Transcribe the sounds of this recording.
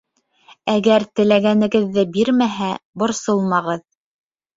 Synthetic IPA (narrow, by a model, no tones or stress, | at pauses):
æɡæɾt̪ɘ̆læɡænɘ̆ɡɘ̆ðːɘbiɾmæɦæbŏɾsolˠmɑʁɤð